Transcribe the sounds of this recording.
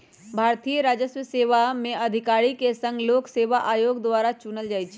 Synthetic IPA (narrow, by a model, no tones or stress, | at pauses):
bʱaːɾt̪ijəɾaːd͡ʒəswəseːʋamẽəd̪ʱɪkaːɾikesə̃ŋɡloːkseːʋaʔaːjoːɡd̪ʋaːɾat͡ʃunəld͡ʒaːjt͡ʃʰ